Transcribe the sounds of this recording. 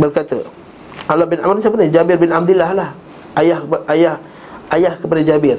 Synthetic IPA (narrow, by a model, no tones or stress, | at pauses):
bərkat̪ə | ʔalaʔbɪnamɾsapənid͡ʒabɪrbɪnab̚d̪ulahlah | ʔajahʔajah | ajahkəpadad͡ʒabɪr